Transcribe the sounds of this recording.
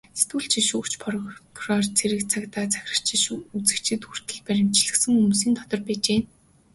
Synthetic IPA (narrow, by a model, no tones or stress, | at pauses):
set̪wuɮt͡ɕʰiʃuːkt͡ɕpʰɔrkʰrɔrt͡sʰeɾɘ̆kt͡sʰakt̪aːt͡sæ̥xʲɪ̥̆r̥t͡ɕʰiʃut͡sɘ̆kt͡ɕʰɘ̆t̪xur̥t̪ɘ̆ɮpæɾʲɪ̆m̥t͡ɕɮɘ̆ksɘ̆ŋumsiːnt̪ʰɔt̪ɞ̆rpæːt͡ɕeːn